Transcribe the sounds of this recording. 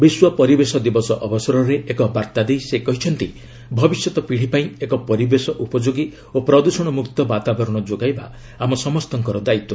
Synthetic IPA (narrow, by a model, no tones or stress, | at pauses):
biswɔpɔɾibesɔd̪ibɔsɔʔɔbɔsɔɾɔɾeʔekɔbaɾt̪ad̪ejsekɔɦit͡ʃʰɔnt̪i | bʱɔbisjɔt̪ɔpiɽ̤ipaĩekɔpɔɾibesɔʔupɔd͡ʒoɡi | opɾɔd̪usɔɽ̃ɔmukt̪ɔbat̪abɔɾɔɽ̃ɔd͡ʒoɡajba | amɔsɔmɔst̪ɔŋkɔɾɔd̪ait̪ɔ